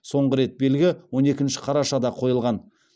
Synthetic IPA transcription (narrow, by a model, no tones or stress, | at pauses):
so̞ɴʁəɾe̞t̪̚be̞lɡʲɪwo̞ne̞kʲɪnʃɪ̥qʰɑɾɑʃɑd̪ɑqʰo̞jəlˠʁɑn